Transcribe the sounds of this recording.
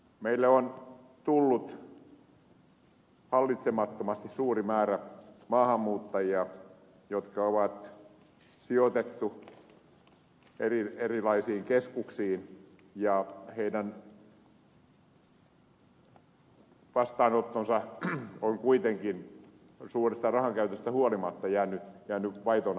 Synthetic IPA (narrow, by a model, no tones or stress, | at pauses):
meilːæon | t̪ulːut̪ | hɑlːit̪semɑt̪ːomɑst̪issuːrimæːræmɑːhɑmːuːt̪ːɑjiɑ | jot̪kɑoʋɑt̪ | siot̪et̪ːu | erierilɑisiːŋkeskuksiːn | jɑheidæn | ʋɑst̪ɑːnot̪ːonsɑoŋkuit̪eŋkin | suːrest̪ɑrɑhɑŋkæyt̪øst̪æhuolimɑt̪ːɑjæːnːˑyjæːnːyʋɑit̪on